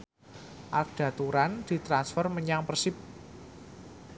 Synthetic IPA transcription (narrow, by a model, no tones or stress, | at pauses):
ʔak̚d̥a̤t̪uɾand̪̥i̤t̪ɾansfərməɲaŋpərsɪp̚